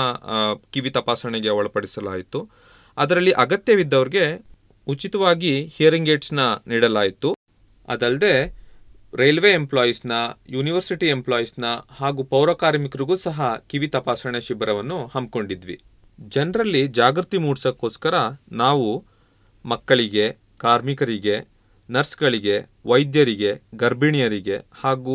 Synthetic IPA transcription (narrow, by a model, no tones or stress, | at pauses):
kiʋit̪ɐpaːsɐɳeɡeɔɭɐpɐɽisɐla̰ːjit̪u | ɐd̪ɐɾɐlːiʔɐɡɐt̪jɐʋid̪ːɐʋɐɾiɡe̞ | ut͡ʃit̪ɐʋaːɡihijɐɾiŋɡeːʈsnɐniːɽɐlaːjit̪u | ɐ̰d̪ɐld̪e̞ | ɾejlʋe̞emplaːjisnɐjuːniʋɐɾsiʈiemplaːjisnɐhaːɡuːpɐwɾɐːkaːɾmikɾiɡuːsɐɦɐkiʋit̪ɐpaːsɐɳeʃibɾɐʋɐnːuhɐmb̚ko̞ɳɖid̪ʋḭ | d͡ʒɐnɾɐlːid͡ʒaːɡɾut̪imuːɽsɐkːoːskɐɾɐnaːʋu | mɐkːɐɭiɡe̞ | kaːɾmikɐɾiɡe̞ | nɐɾsɡɐɭiɡe̞ʋɐjd̪jɐɾiɡe̞ɡɐɾbiɳijɐɾiɡe̞haːɡu